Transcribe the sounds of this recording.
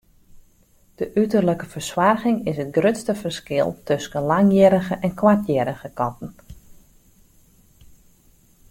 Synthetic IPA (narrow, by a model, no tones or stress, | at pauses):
d̥əʔytərləkəfərswarɣɪŋɪsətɡrøtstəfərskɪəlˠtʰøskənlaŋjɪɾəɣəʔɛnkwatʰjɪːɾəɣəkɔtən̩